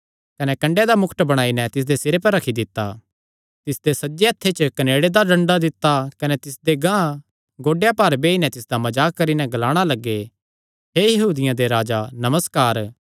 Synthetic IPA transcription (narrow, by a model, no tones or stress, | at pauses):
kɐnɛkɐ̃ɳɖed̪amʊkʰʈ̪bɐɽ̃aːinɛt̪ɪs̬d̪esɪɾepɐɾːɐkʰid̪ɪt̪ːa̰ | t̪ɪsd̪esɐd͡ʒeɐt̪ʰːet͡ʃəkɐneːɽed̪aɖɐ̃ɳɖad̪ɪt̪ːakɐnɛt̪ɪsd̪eɡã | ɡoːɖejapaːɾbeːinɛt̪ɪsd̪amɐd͡ʒaːkːɐɾinɛɡɐlaːɽ̃alɐɡːe | ɦejɐɦuːd̪ɪjãd̪eɾaːd͡ʒanɐməskaːɾ